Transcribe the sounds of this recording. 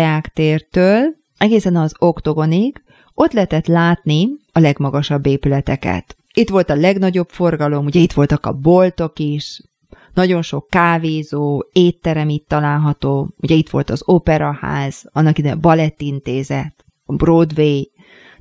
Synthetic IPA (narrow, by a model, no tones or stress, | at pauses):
jaːkt̪eːrt̪øːl | ɛɡeːsɛnɒzo̞kt̪o̞ɡo̞niɡ | o̞t̪lɛɦɛt̪ɛt̪laːt̪niɒlɛɡmɒɡɒʃɒbːeːpylɛt̪ɛkɛ̰t̪ | it̪ʋo̞lt̪ɒlɛɡnɒɟo̞pfo̞rɡɒlo̞muɟɛit̪ʋo̞lt̪ɒkɒ̰bo̞lt̪o̞kiʃ | nɒɟo̞nʃo̞kːaːveːzoːeːt̪ːɛɾɛmit̪ːɒlaːlɦɒt̪oːuɟɛit̪ʋo̞lt̪ɒzoːpɛɾɒha̰ːz̥ɒnːɒkid̪ebɒlɛt̪ːint̪eːzɛt̪ | ɒbroːd̪veːj